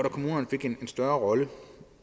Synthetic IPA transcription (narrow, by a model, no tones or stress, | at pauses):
ɾ̥ɒkʰo̝muːnɐnəfe̝ɡ̥ene̝nsd̥ɶɐʁɒ̽lə